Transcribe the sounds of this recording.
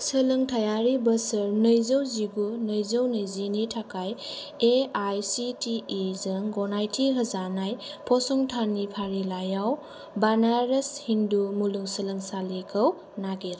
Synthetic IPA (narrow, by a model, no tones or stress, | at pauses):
səlɯŋtʰajaɾibəsɯɾnəjzəwziɡunəjzəwnɯjzinitʰakaj | eajsitiːzɐŋɡɔnajtʰiɦɐzanajpʰɔsɔŋtʰanipʰaɾilajaw | banaɾeshindumuluŋsɐlɐŋsalikʰəw | naɡeɾ